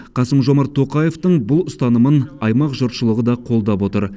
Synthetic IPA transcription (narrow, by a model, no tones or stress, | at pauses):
qʰɑsəmʒo̞mɑɾt̪ʰːo̞qɑje̞ft̪əɴbʊlˠʊst̪ɑnəmənɑjmɑqʒəɾt̪ʃəlˠəʁəd̪ɑqʰo̞lˠd̪ɑpwo̞t̪əɾ